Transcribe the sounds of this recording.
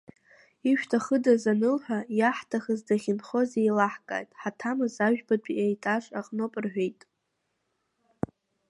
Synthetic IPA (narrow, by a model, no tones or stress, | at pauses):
iʃᶣtʰaχədazanɨlħʷᶣajaħtʰaχəzdaχʲɪnχo̞zejlaħkʼa̰jtʼħatʰamɨzaʒᶣbat͡pʷʼiejtʼaʂʼaqʼnopʼɨrħʷᶣejtʼ